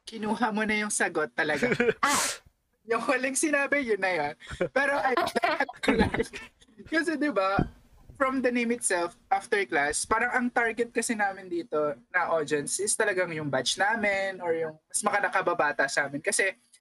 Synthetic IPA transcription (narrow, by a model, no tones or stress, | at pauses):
kɪnuːɦɐmonɐjʊŋsɐɡot̪ːɐlɐɡa | jʊŋhɐlɪŋsɪnaːbɪjʊnɐjonpɛːɾo̞ʔɐjɐɐɐkɐla | kɐs̬ɛd̪ɪbɐ | fɹɔmd̪ɐnẽjmɪt̪sɛlfʔaft̪ɛɹklaspaːɾɐŋɐŋt̪aɹɡɛt̪̚kɐsɪnaːmɪnd̪iːt̪o̞nɐʔod͡ʒ̪ɛnsɪst̪ɐlɐɡaŋjʊŋbat͡ʃnaːmɪnɔɹjʊŋmɐsmɐkɐnɐkɐbɐbaːt̪ɐsɐʔaːmɪnkɐsɛ